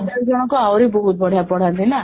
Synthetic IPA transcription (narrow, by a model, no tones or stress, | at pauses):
d̪eɾd͡ʒɔɽ̃ɔkɔawɾibɔɦut̪̚bɔɽ̤ʱapɔɽ̤and̪ina